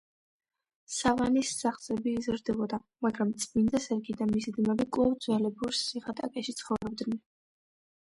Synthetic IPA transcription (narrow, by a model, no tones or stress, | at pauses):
savanisːaχsʼɛbiːzɾd̪ɛbɔd̪amaɡɾamt̪sʼmind̪asɛɾɡid̪amisid̪mɛbikʼwavd̪zwɛlɛbuɾsːiʁat̪ʼakʼɛʃit̪sʰχɔvɾɛbd̪nɛ